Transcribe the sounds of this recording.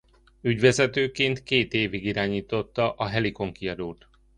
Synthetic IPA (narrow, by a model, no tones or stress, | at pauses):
yɟʋɛzɛt̪øːkeːnt̪keːt̪eːviɡiɾaːɲiːt̪o̞t̪ːɒʔɒɦɛliko̞ŋkiɒd̪ult̪